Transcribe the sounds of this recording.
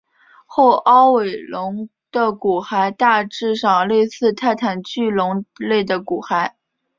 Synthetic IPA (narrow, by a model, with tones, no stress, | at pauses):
xo˥˩ʊʔɑ˥ʊwe˨˩ɪlʊ˧˥ŋ | d̪̥ə˧˨ku˨˩xa˧˥ɪt̪a˥˧ʈ͡ʂɻ̩˥˧ʂɑ˨˩ŋle˥˧ɪsɹ̩˥˧t̪ʰa˥˩ɪt̪ʰa˨˩nt͡ɕy˥˩lʊ˧˥ŋle˥˩ɪd̪ə˩ku˨˩xa˧˥ɪ